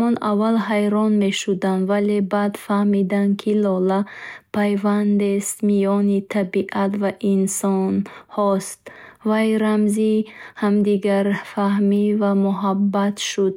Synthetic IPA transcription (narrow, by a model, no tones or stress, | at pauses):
ɔnavalɦajɾɔnme̞ʃud̪and̪valebad̪fahmid̪ankʰilɔlapʰajvand̪est̪mijɔnit̪ʰabiʔat̪vaʔinsɔnhɔst̪vajɾamzihamd̪iɡaɾfahmivamuɦabːat̪ʃud̪̚